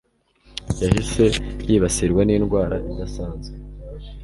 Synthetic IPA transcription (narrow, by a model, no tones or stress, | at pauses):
jahise̞jiːβasiɾɡwaniːnɡwaːɾaʔid̪asaːnze